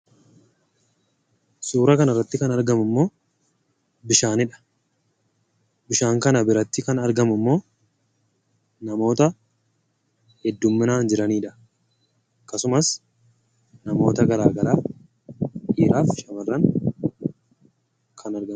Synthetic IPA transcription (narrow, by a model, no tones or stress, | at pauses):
suːɾɐkɐnɐrːɐt̪ːɪkɐnɐɾɡɐmʊmːo̞ː | bɪʃaːnɪᶑɐ̥ | bɪʃaːŋkɐnɐbɪɾɐt̪ːɪkɐnɐɾɡɐmʊmːo̞ː | nɐmo̞ːt̪ɐ | hɛd̪ːʊmːɪnaːnd͡ʒɪɾɐniːᶑɐ̥ | kɐsʊmɐs | nɐmo̞ːt̪ɐɡɐɾaːɡɐlaː | ʔiːɾaːfʃɐmɐrːɐŋ | kʰɐnɐɾɡɐm